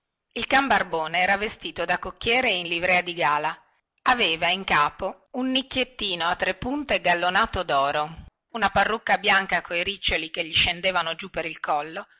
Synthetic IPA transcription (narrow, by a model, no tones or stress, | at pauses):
ilkambarboːneɛːɾavest̪iːt̪od̪akokːjɛːɾeinlivɾɛːad̪iɡaːla | aveːvaiŋkaːpo | unːikːjet̪ːiːnoat̪ːɾepːunt̪eɡalːonaːt̪od̪ɔːɾo | unaparːukːabjaŋkakʰoiɾit͡ʃːolikeʎːiʃend̪eːvanod͡ʒupːeɾilkɔlːo